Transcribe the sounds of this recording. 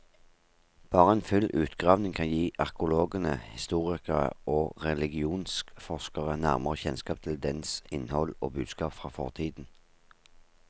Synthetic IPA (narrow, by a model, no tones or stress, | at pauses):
b̥ɑːʁəɛnfʉlʔʉːt̪ɡʁɑːʋnɪŋkʰɑnjiːʔɑʁkʊloːɡənəhɪst̪uːʁɪkəʁə̰oːʁɛlɪɡɪuːnskfɔʁskəʁənæʁməʁəçɛnskɑːpt̪ʰɪld̪ɛnsɪnhɔlo̰ːbʉːd̪skɑːpfʁɑːfɔ̰ʁt̪ʰiːd̪n̩